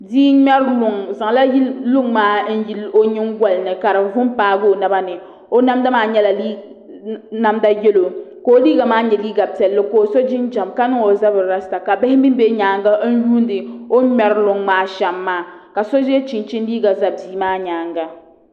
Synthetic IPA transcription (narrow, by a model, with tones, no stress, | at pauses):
diː˦mɛ˦ɾlʊ˨ŋza˨ŋ˨la˦ji˦lʊ˦ŋmaː˦n̩˦ji˦lo˦ɲɪ˦ŋ˦ɡʷa˦lnɨ˨ka˨ɾɨ˨vʊ˦mpaː˦ɡo˦˨na˦ba˦nɨ˨ | o˦na˦mda˦maː˦ɲɛ˦la˨li˦ | na˦mda˦jɛ˦lo˨ko˨˦liː˦ɡa˨maː˦ɲɛ˨liː˦ɡa˨pi˨ɛ˨lːɨ˦ko˨so˦d͡ʒɪ˦nd͡ʒa˨mka˦nɨ˦ŋo˨za˦bɨ˨ɾɾa˦sta˨ka˨ba˦hɪ˦mi˦m˦bɛ˦ɲaː˨ŋɡa˦n̩˦juː˦n˦dɨ˨o˦mɛ˨ɾlʊ˨ŋmaː˦ʃɛ˨mːaː˦ka˨so˦ʒɛ˦t͡ʃi˨nt͡ʃi˦n˦liː˦ɡa˨za˨biː˦maː˦ɲaː˨ŋɡa˨